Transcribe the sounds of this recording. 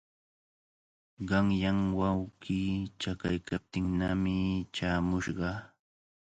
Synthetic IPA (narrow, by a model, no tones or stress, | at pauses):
ɢɑŋjaŋwawɢiːt͡ʃaka̰jkap̚t̪ɪŋnamɪt͡ʃaːmʊʃɢɑ